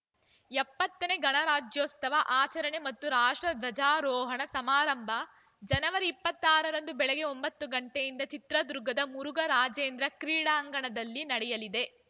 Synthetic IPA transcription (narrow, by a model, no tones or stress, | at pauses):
ɛpːɐt̪ːɐneɡɐɳɐɾaːd͡ʒjoːst̪ɐʋɐʔaːt͡ʃɐɾɐɳe̞mɐt̪ːuɾaːʂʈɾɐd̪ʋɐd͡ʒaːɾɔːɦɐɳɐsɐmaːɾɐmbʱɐ | d͡ʒɐnɐʋɐɾiːpːɐt̪ːaːɾɐɾɐnd̪ubɛɭɛɡe̞o̞mbɐt̪ːuɡɐɳʈejind̪ɐt͡ʃit̪ɾɐd̪uɾuɡʱɐd̪ɐmuɾuɡɐɾaːd͡ʒeːnd̪ɾɐkɾiːɽaːŋɡɐɳɐd̪ɐlːinɐɽɛjɐlid̪e̞